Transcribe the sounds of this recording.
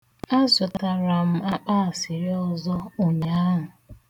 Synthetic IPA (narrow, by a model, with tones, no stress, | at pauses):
a˦zʊ˨ta˨ɾa˨m̩˦a˦k͡paː˦a˨sɪ˨ɾi˦ɔ˦zɔ˦o˨ɲa˨a˦ɦʊ˨